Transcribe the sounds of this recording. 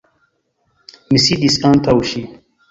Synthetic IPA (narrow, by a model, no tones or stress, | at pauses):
misid̪isãnt̪ʰawuʃi